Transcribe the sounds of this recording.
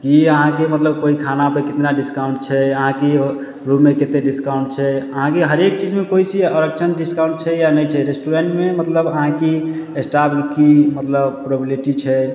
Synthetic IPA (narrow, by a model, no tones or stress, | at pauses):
kiəɦãkemət̪ləb̚koikʰanapekit̪naɖiskaʊ̃ɳʈt͡ʃʰɛəɦãke | ɾuːeket̪eɖiskaʊɳʈt͡ʃʰɛəɦãkeɦəɾek̚t͡ʃid͡ʒmẽkoisiəɾək̚t͡ʃʰənɖiskaʊ̃ɳʈ̚t͡ʃʰɛjanəjt͡ʃʰɛɾesʈuɾeɳʈmemət̪ləbəɦãkiesʈapkimət̪ləbpɾobiliʈit͡ʃʰɛ